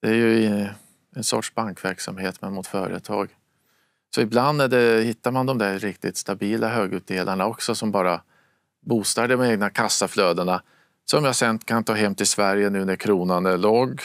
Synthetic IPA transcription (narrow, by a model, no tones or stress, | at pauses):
d̪̥ɛæɾjɵ | ɛnsɔ̰ʈʂbaŋkvæɾksa̰mheːt̪mɛnmʊt̪fœːɾə̰t̪ʰɑ̰ːɡ | sɔɪbland̪æɖɛhɪt̪ːaɾmand̪ɔmd̪æɾɾɪkt̪ɪt̪st̪abiːlʔaɦøːɡʉ̟ːd̪eːlʔaɳaɔksɔsɔmbɑːɾa | buːst̪ɑɖ̪əɖɔmɛːɡnakʰasːafløːd̪əɳa | sɔmjahsɛnt̪kʰant̪ʰɑːɦɛmːt̪ʰɪlsvæɾjənʉ̟ːnæɾkʰɾuːnanəloːɡ